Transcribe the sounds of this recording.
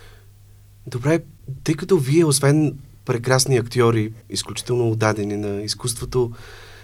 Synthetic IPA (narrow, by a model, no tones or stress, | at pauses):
d̪obɾɛt̪əjkət̪oviɛosvɛnpɾɛkɾasniɐkt̪ʲiɔɾiisklʲut͡ʃi̥t̪ɛlˠnoːd̪ad̪ɛninɐiskust̪vot̪o